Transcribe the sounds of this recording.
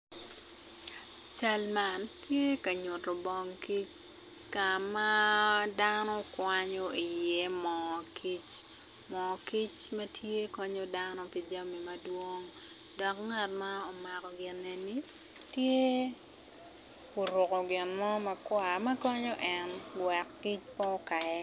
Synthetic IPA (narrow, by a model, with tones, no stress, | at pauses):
t͡ʃa˦lma˦ntje˦ka˨ɲo˨to˨bɔ˦ŋki˦t͡ʃ | ka˨ma˦danɔ˦kwaɲo˦i˨jɛ˦mɔkʰi˦t͡ʃ | mɔ˨ki˦t͡ʃmɐ˦tʰje˦kɔ˦ɲo˦danɔ˦pi˨d͡ʒa˦mi˨mɐ˦dwo˦ŋ | dɔ˨kŋa˨t̚ma˦ɔ˨ma˨kɔ˨ɡɪ˨nɛ˨ni˦ | tje˦ | o˨ɾʊ˨ko˨ɡɪ˨nmɔ˦mɐ˨kwa˨mɐ˦kɔ˦ɲɔ˦ʔɛnɡwɛ˨kːi˦t͡ʃpɔ˦ka˨ɛ˦